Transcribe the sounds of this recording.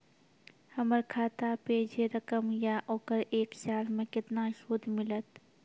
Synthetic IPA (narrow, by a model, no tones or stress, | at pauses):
hɐməɾkʰaːt̪apeːd͡ʒeɾəkəmjaʔoːkəɾeːkʃaːlmẽkɪt̪naʃoːd̪ʱmɪlət̪